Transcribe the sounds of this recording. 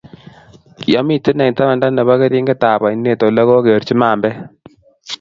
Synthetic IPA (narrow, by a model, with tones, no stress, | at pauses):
kjɔ˦mi˨tɪ˦nɛ˨ŋ˨ta˦ma˨nda˦nɛ˨βa˦ke˦ɾi˦ŋɡɪ˦ta˨ba˨i˨˦nːe˦˨to˨lɛ˦ɣo˦ke˨ɾt͡ʃi˦ma˨mbɛ˦